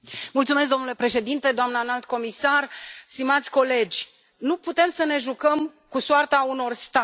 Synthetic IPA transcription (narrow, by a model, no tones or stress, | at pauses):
mult̪sumesk̚d̪o̞mnule̞pɾe̞ʃe̞d̪int̪e̞d̪oamnəanalt̪̚ko̞misarst̪imat̪sʲko̞le̞d͡ʒʲ | nuput̪e̞msəne̞ʒukəmkusart̪auno̞rst̪a